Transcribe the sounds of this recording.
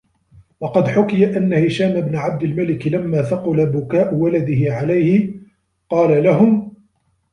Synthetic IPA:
wɑqɑd̪ħʊkɪjaʔanːahɪʃaːmabnaʕab̚d̪ɪlmalɪklamːaːθaqʊlabʊkaːʔʊwalad̪ɪhɪʕalajhɪ | qɑːlalaɦʊm

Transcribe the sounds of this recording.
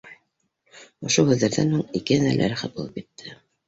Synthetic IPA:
ŏʃohʉðːæɾðænhuŋikɘænæ̰ɾlʔæ̰ɾɘχæt̪̚bulˠɤpkit̪ʰːɘ

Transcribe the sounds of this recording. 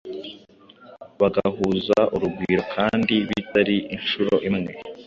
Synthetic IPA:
βaɡahuːzaʔuɾubɡiːɾo̞kʰaːndiβitaɾiinʃuɾo̞ʔimŋe̞

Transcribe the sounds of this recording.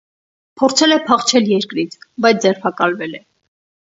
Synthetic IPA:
pʰɔɾt͡sʰɛlɛpʰɑχt͡ʃʰɛljɛɾkɾit͡sʰbɑjt͡sʰd͡zɛrpʰɑkɑlvɛlɛ

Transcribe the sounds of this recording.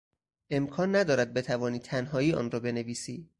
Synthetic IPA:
ʔe̞mkʰɒːnːæd̪ɒːɾæd̪̚be̞t̪ʰævɒːniːt̪ʰænɦɒːiːɒ̰ːnɾɒːbe̞ne̞viːsiː

